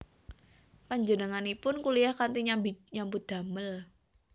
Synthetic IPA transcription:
paɲd͡ʒənəŋanipʊnkulijahkant̪iɲambɲambʊt̪̚d̪̥a̤məl

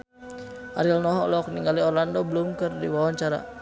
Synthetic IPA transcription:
ʔaɾilnɔɦɔlɔkniŋɡaliɔɾlandɔbəlumkɨrdiwawaɲt͡ʃaɾa̰

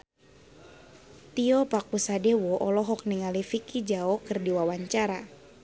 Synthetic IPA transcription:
t̪iɔpakusadewɔʔɔlɔɦɔk̚niŋalifikid͡ʒaɔkɨrdiwawaɲt͡ʃaɾa

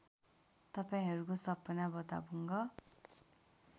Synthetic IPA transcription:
t̪ʌpaĩɦʌɾukosʌpːʌnabʌt̪a̰buŋɡʌ

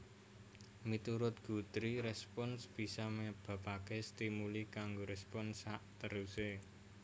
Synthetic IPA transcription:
mit̪uɾʊt̪̚ɡ̥ṳt̪ɾiɾɛspɔnsb̥i̤sameb̥a̤pakest̪imulikaŋɡoɾɛspɔnsaʔt̪əɾuse

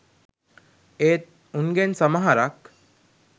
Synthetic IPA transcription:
eːt̪̚ | unɡensɐmaɦaɾak

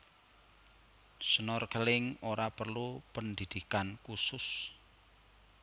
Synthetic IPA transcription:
sənɔrkəlɪŋoɾapərlupənd̪id̪̥i̤kankusʊs

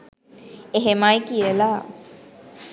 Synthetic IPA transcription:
eɦemajkijəla

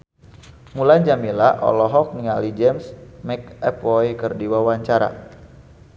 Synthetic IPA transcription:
mulaɲd͡ʒamilaʔɔ̰lɔɦɔk̚niŋalid͡ʒɛmsmɛkɛpɔjkərdiwawaɲt͡ʃaɾa̰

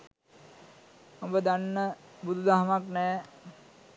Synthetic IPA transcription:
ɐmbəd̪anːəbud̪ʱud̪aɦɐmaknɛː

